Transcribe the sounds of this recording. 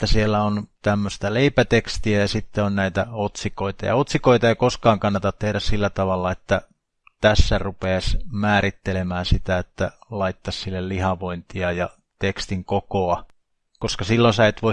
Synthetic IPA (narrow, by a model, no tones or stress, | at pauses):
et̪ːæsielːæont̪æmːøst̪ɑleipæt̪ekst̪iæjɑsit̪ːeonnæit̪æot̪sikoit̪ɑ̰jɑ̰ot̪sikoit̪ɑɑkoskɑːŋkɑnːɑt̪ɑt̪t̪ehdæssilːæt̪ɑʋɑlːɑet̪ːæ | t̪æsːærupeːsmæːɾit̪ːelemæːsit̪æet̪ːælɑit̪ːɑssilːellihɑʋoint̪iɑjɑ | t̪ekst̪iŋkokoɑ | koskɑsilːonsæet̪ʋoi